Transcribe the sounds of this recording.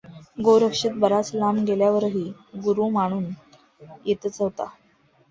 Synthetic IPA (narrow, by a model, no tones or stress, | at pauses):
ɡowɾəkʂit̪̚bəɾat͡slamɡeljaʋəɾɦiːɡuɾumaɽ̃uːn | jet̪ət͡səɦt̪a̰